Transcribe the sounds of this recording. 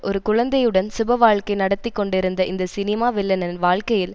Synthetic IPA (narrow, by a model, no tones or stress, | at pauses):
ʔɔɾɯkʊɻɐnd̪ɐjɯɽɐnsʊbɐʋaːɻkɐɪnɐɽɐt̪ːɪkːɔɳɖɪɾɯnd̪ɐʔɪnd̪ɐsɪnɪmaːʋɪlːɐnɐnʋaːɭkɐjɪl